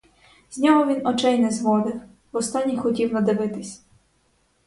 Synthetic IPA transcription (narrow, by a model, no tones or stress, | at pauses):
z̥ʲnʲɔɦɔʋʲinɔt͡ʃɛjnɛzʋɔd̪ɪw | wɔst̪ɑnʲːixɔtʲiwnɐd̪ɪʋɪt̪ɪsʲ